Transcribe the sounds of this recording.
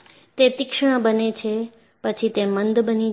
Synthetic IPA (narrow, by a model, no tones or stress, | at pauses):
t̪et̪ɪkʃəɳ̃bənet͡ʃʰe | pət͡ʃʰit̪emənd̪bəni